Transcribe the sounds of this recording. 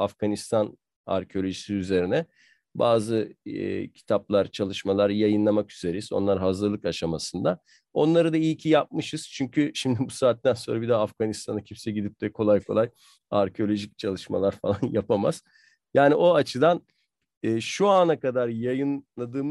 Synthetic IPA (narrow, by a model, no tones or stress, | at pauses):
afɡ̥anist̪ʰan | a̰ɾcʰeo̞lʲo̞ʒisiyze̞ɾinɛ | baːzɯ̰ | cʰi̥t̪ʰaplˠaɾt͡ʃʰalˠɯʃmalˠaɾjajɯnlˠamakyze̞ɾeizo̞̰nlˠaɾɦazɯɾlˠɯkaʃamasɯnd̪a | o̞nlˠaɾɯd̪aijcʰijap̚mɯʃɯz̥t͡ʃʰyɲcʰyʃimd̪ibusaːt̪ːænso̞ːɾabid̪ɛafɡ̥anist̪ʰanacʰimsɛɟid̪ip̚t̪ʰɛkʰo̞lˠajkʰo̞lˠaj | aɾcʰeo̞lʲo̞ʒic̚t͡ʃʰalˠɯʃma̰lˠaɾfalˠanjapʰama̰z̥ | jaːniʔo̞at͡ʃʰɯd̪an | ɛːʃuanakad̪aɾjajɯnlˠad̪ɯːm